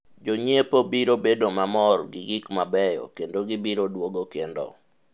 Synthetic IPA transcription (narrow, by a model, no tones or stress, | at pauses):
d͡ʒoɲepobiɾobedomamɔrɡɪɡɪkmabɛjɔ̰kendoɡɪbiɾodwoɡokendo̰